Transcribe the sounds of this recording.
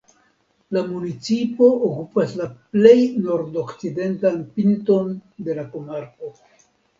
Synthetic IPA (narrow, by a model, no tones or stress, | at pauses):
lamunit͡sipo̞ʔokupaslaple̞jno̞ɾdo̞kt͡side̞ntanpinto̞nde̞lako̞maɾko̞